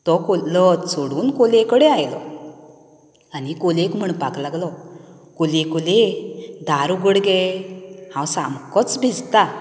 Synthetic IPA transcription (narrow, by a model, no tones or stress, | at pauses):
t̪ɔkolɔsoɽuːnkolekəɽeajlɔ | anikolekm̤əɳpaklaɡlɔ | kolekoled̪ʱaɾuɡəɽɡɛ | hãwsamkɔt͡sbʱid͡zt̪a